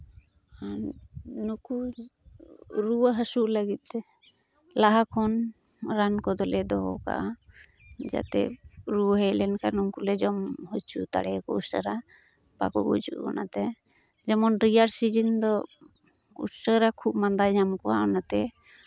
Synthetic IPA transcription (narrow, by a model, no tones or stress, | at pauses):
a | nuku | ɾuwaɦəsuʔləɡit̪̚ɛ | laɦakʰɔn | ɾankɔd̪ɔlɛd̪ɔɦɔ̰ka̰ʔa | d͡ʒa̰t̪ɛ̰ɾuɦɛjlɛnkanuŋkulɛd͡ʒɔmhɔt͡ʃʰut̪a̰ɽɛkɔusəɾa | pa̰kɔ̰bṵd͡ʒṵʔkɔ̰nat̪ɛ | d͡ʒɛmɔnʈɾijaɾsid͡ʒind̪ɔ | ṵsəɾakʰub̚mand̪ad͡ʒamkɔaɔnat̪ɛ